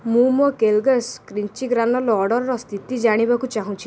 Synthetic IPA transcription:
mumɔkelɡeskɾint͡ʃiɡɾanɔlɔɔɽɔɾɔɾɔst̪ʰit̪id͡ʒaɽ̃ibakut͡ʃaɦũt͡ʃʰi̥

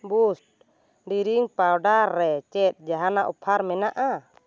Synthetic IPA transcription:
busʈ̚ | ɖiɾiŋpawɖaɾːɛt͡ʃɛt̪̚ˀd͡ʒaɦanaʔupʰaɾmɛnaʔa

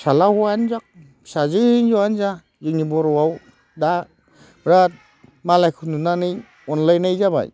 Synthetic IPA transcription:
salahuanzak̚ | sazɯhɯnzɔanza | zɯnibɔɾɔwaw | da | bɾat̚ | malajkʰununanɯj | ɔnlajnajzaba̰j

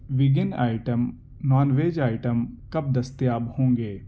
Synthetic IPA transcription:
ʋɪɡɪna̰ːɪʈəm | naːnʋeːd͡ʒaːɪʈəmkɐb̚d̪ɐst̪jaːbhõːŋɡeː

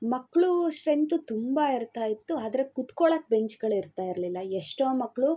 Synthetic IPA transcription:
mɐkːɭuʂɾent̪ut̪umbaiɾt̪aːjit̪ːuaːd̪ɐɾekut̪koɭɐk̚be̞ɲt͡ʃɡɐɭiɾt̪aːjiɾɐlilːɐeʂʈoːmɐkːɭu

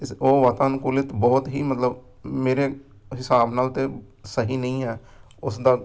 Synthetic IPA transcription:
oːʋaːt̪aːnkʊlɪt̪bɔːt̪ɦiːmət̪ləb | meːɾeː | ɦɪsaːbnaːlt̪eː | səɦiːnəĩːɦɛː | ʊsd̪aː

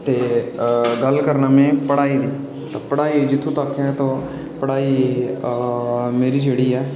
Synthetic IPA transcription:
t̪eː | ɡəlkəɾnaːmẽːpəɽaːiːd̪iː | t̪apəɽaːiːd͡ʒɪt̪ʰːũːt̪aːkʰːẽɛ̃ːt̪õː | pəɽaːiː | meːɾiːd͡ʒeːɽiːɛː

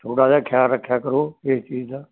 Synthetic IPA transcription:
t̪ʰoːɽaːd͡ʒaːkʰjaːɾːəkʰːjaːkəɾoːest͡ʃiːd͡ʒd̪aː

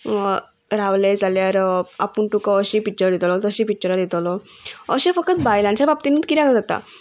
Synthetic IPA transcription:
ɾaʋlẽd͡zaljaɾa̰pəɳʈukəəɕipit͡ɕəɾd̪it̪lɔt̪əɕĩpik̚t͡ɕəɾad̪it̪lɔə̰ɕẽfək̚tət̪bajlãɲt͡ɕjabab̚t̪inũt̪kiɾaɡəd͡zat̪a̰

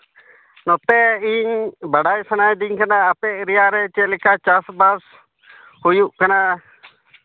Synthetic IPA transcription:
nɔt̪ɛiɲbaɽajsanajd̪iɲkanaːpɛʔɾɛjaɾɛt͡ʃɛlɛkat͡ʃasbas | hujuʔkana

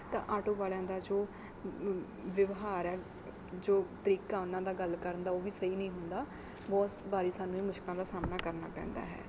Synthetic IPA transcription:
t̪ã̰ːʔaːʈõːʋaːlãːd̪aːd͡ʒoː | ʋɪʋɦaːɾɛː | d͡ʒoːt̪əɾiːkãːʊnãːd̪aːɡəlkəɾənd̪aːoːʋiːsəiːnəĩːɦʊnd̪aː | bɔːt̪baːɾiːsaːnːũːiːmʊʃkɪlãːd̪aːsaːmnaːkəɾnaːpɛ̰̃ːnd̪a̰ːɦɛ̰ː

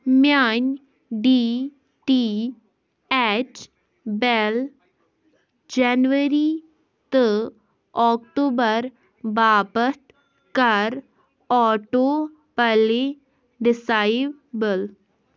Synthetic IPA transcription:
mjaːn | ɖiː | ʈi | ɛːʈ | bɛl | d͡ʒɛːnʋəɾi | t̪ə | ɔːkʈoːbəɾ | baːpət̪ | kəɾ | ɔːʈoː | pɛle | ɖɪsaːɪʋ | bəl

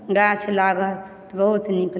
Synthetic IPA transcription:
ɡat͡ʃʰlaɡə | t̪ɔbəɦut̪nikl

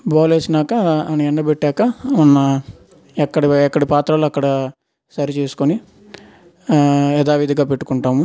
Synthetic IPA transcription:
baːleːsinaːkɐːniɛɳːɐbeʈːaːkɐmunːɐ | ɛkːɐɽiɛkːɐɽipaːt̪ɾaːluɐkːɐɽɐ | sɐɾit͡ʃe̞ːsu̥koni | ɛd̪aːʋid̪iɡaːpe̞ʈːu̥kuɳʈaːmu

